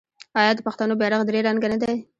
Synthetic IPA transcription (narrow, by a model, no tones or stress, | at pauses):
ɑjɑd̪əpaxt̪anobɑɾaɣd̪ɾeɾaŋɡanad̪aj